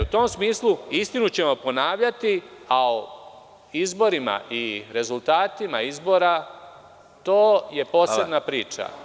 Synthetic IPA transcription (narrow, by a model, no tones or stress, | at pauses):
ut̪o̞ːmsmiːslˠuist̪inut͡ɕe̞mo̞po̞naːʋʎat̪iao | izbo̞ɾima̰ʔiɾe̞zulˠt̪aːt̪imaizbo̞ːɾa | t̪o̞ːje̞po̞ːseb̪napɾiːt͡ʃa̰